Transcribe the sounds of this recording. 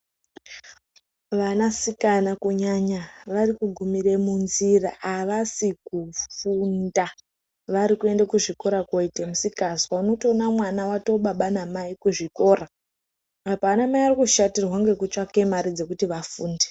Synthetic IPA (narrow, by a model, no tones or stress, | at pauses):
ʋanasikanakuɲaɲaʋarikuɡʱumire̞munziraaʋasikufunda | ʋaɾikue̞ndekuʐiko̞ɾakoitemusikaswauno̞tio̞namwanawato̞ɓaɓanamaikuʐiko̞ːɾaː | paːnamaiarikuʃatirwaŋɡe̞kut͡ʃake̞maɾid͡ze̞kutiʋafuːnde